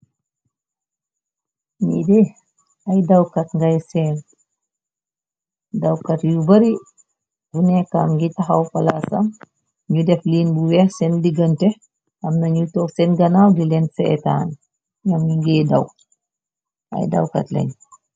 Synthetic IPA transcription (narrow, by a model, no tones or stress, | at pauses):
midɛ | ajdawkatŋɡajsɛːn | dawkatjubɐɾi | bunɛkːamŋɡitaxawfalasa̰m | ɲudɛfliːnbuwɛhsɛndiɡɐntɛ | ʔamnaɲutɔksɛnɡɐnawdilɛnsɛɛ̰ta̰ːn | ɲamɲuŋɡɛːdaw | ʔa̰jda̰wka̰tlɛ̰ɲ